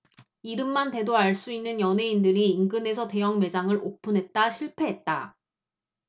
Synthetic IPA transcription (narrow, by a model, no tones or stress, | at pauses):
iɾɯmːante̞doaɭs͈uinːɯnjʌnɦe̞indɯɾiːŋɡɯne̞sʰʌte̞jʌŋme̞d͡ʑaŋɯɾopʰunɦe̞t̚t͈aɕʰiɭpʰe̞ɦe̞t̚t͈a̰